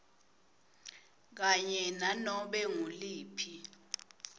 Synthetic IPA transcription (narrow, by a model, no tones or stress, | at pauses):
k̬aɲɛnanɔɓɛŋuliːpʰi